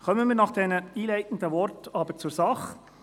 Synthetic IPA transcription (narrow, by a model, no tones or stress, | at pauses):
χœməmiːɾnɑχd̥ɛnəiːlɛɪtn̩dəʋɔrtɑbəɾt͡suɾsɑχ